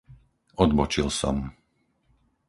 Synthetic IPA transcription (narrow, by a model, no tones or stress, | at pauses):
ɔd̪bɔt͡ʃilˠsɔ̰m